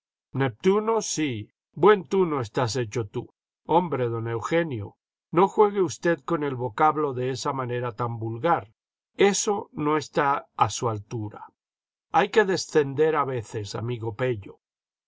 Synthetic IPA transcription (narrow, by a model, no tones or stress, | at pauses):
ne̞p̚t̪uno̞si | bwe̞nt̪uno̞est̪as̬e̞t͡ʃo̞t̪u | o̞mbɾe̞ðo̞ne̞wxe̞njo̰ | no̞xwe̞ɣ̞eust̪e̞ðko̞ne̞lβo̞kaβlo̞ðe̞esamane̞ɾat̪ambulɣaɾ | e̞so̞no̞e̞st̪aasualt̪uɾa̰ | ajke̞ðe̞sθe̞nd̪e̞ɾaβe̞θe̞sa̰miɣo̞pe̞ʎo